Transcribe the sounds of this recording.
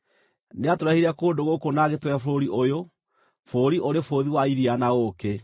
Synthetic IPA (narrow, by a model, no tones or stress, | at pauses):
neatoɾahiɾakoːndoɣokonaɣetwɔafoɾoɾiʔojo | foɾiʔoɾefoðiwaiɾianaɣoke